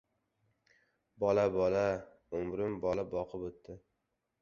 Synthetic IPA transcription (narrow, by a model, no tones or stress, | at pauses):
bɒlabɒla | ʊmɾɪmbɒlabɒqʰɨpot̪ːɪ